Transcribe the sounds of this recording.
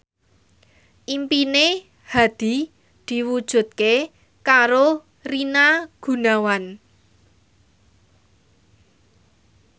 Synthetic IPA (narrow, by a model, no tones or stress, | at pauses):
ʔimpine | had̪̥i̤ | d̪̥i̤wud̥ʒ̥ṳt̪̚ke | kaɾo | rinaɡ̥ṳnawan